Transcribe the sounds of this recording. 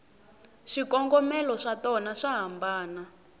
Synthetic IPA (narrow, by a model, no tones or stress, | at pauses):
ʂikɔŋɡɔmɛlɔʂatɔnaʂaɦambaːna